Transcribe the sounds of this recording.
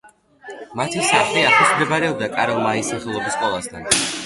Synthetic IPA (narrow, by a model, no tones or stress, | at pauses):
mat̪ʰisaχliaχʰismɾɛbaɾɛɔb̚d̪akʼaɾɔlˠmaisaχɛlˠɔbiskʼɔlˠast̪ʰan